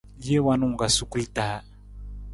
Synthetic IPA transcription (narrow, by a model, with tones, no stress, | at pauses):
je˦wa˦nu˦˨ŋ˨ɡa˨su˦ku˦lta˨˦